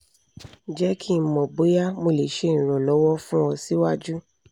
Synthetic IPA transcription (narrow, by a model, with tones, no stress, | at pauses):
d͡ʒɛ˦kʰĩ˦˨mɔ̃˨bo˨˦ja˦mo˧˨le˨ʃe˨˦˨ñ̩˨ɾɔ̃˨lɔ˨˦wɔ˦fũ˦ɔ˧si˦wa˦˨d͡ʒu˦